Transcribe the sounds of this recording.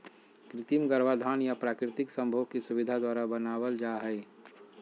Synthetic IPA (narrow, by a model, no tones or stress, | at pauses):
kɾɪt̪imɡəɾʋad̪ʱaːnjapɾaːkɾɪt̪ɪksə̃mbʱoːkisʊʋɪd̪ʱad̪waːɾabənaːwəld͡ʒaːɦɛɪ